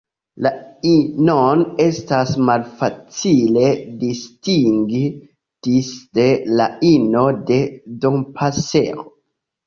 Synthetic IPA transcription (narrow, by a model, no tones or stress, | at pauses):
lainone̞stasmalfat͡sile̞distiŋɡ | tisde̞laino̞de̞donpʰaseo̰